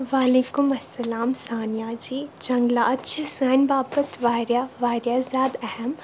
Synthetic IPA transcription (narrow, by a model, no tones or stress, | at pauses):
ʋaːleːkumɐsːɐlaːmsaːnijaːd͡ʒiːd͡ʒɐ̃ŋɡlaʔɐtːʃʰəsɐːnbaːbət̪ʋaːɾjaːʋaːɾjazjaːd̪ɛɦəm